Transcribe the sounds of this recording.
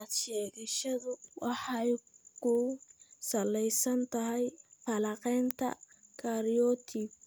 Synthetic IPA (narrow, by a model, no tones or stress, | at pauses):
ad̪ʃɛːɣɐʃɐðʊwɑħɑjkʰʊsɐlɛjsɐnt̪ʰɐɦɛjfɐlɑqɛːnt̪ʰɐ̰ | kʰaɾijɔt̪ʰɪb